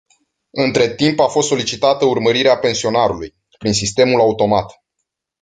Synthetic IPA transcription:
ɨnt̪ɾe̞t̪impafost̪so̞lit͡ʃit̪at̪əurməɾiɾeape̞nsio̞naɾuluj | pɾinsist̪e̞mulaut̪o̞mat̪

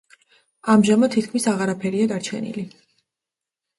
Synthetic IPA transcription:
amʒamad̪t̪ʰːit̪kʰmisaʁaɾapʰɛɾiad̪aɾt͡ʃʰɛ̰nḭli

